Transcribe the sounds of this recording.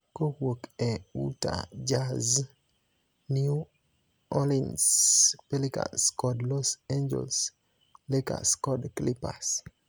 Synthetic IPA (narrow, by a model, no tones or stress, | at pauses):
kowokɛṵta̰d͡ʒaz | nju | ɔlinspelika̰nskɔdlɔseɲd͡ʒɛ̰ls | leka̰skɔdklipa̰s